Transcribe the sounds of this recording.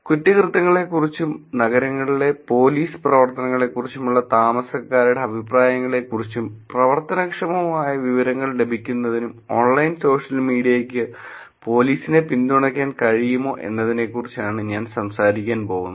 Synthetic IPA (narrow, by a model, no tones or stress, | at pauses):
kuʈːikrɨt̪ːɐŋːɐɭe̞kːurit͡ɕːumnɐɣɐɾɐŋːɐɭile̞po̞ːliːsɨ̥prɐʋɐrt̪ɐnɐŋːɐɭe̞kːurit͡ɕːumuɭːɐt̪aːmɐsɐkːaːɾuɽe̞ɐbʱipraːjɐŋːɐɭe̞kːurit͡ɕːumprɐʋɐrt̪ɐnɐkʂɐmɐmaːjɐʋiʋɐɾɐŋːɐɭle̞bʱikʲːunːɐðinumo̞ːɳlɐjnso̞ːʂɐlmiːɽijɐjekʲːɨ | po̞ːliːsine̞pind̪uɳɐkʲːaːnkɐɻijumo̞ːʔe̞̰nːɐðine̞kːurit͡ɕːaːɳɨɲaːnsɐmsaːɾikʲːaːnpo̞ːɣunːɐ